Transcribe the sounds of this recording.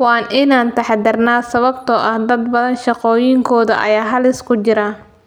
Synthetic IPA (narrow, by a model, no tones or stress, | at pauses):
wɑːnʔɪnaːnt̪ʰɐħd̪ɐrnaːsɐβɐbt̪ʰɔʔɐhd̪ɐd̪bɐðɐnʃɑqɔːjɪŋkʰɔːðɐ̰ʔɐ̰jaːɦɐlɪskʰʊt͡ʃɪɾɐ